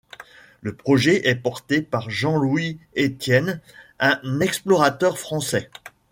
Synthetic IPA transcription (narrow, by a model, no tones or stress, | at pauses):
ləpχɔʒɛʔɛpɔʁt̪epaʁʒɑ̃lwiet̪jɛnɛ̃nɛksplɔʁat̪œʁfχɑ̃sɛ